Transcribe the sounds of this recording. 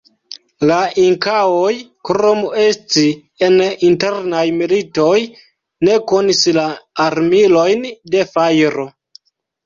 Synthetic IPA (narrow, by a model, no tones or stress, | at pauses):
laiŋkawojkɾomue̞sti | eninte̞ɾnajmilito̞j | ne̞ko̞nislaːɾmilo̞jnde̞fajɾo̞